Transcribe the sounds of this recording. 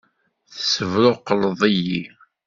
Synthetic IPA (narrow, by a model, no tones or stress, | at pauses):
θəsəvɾʊqːəlðˤiji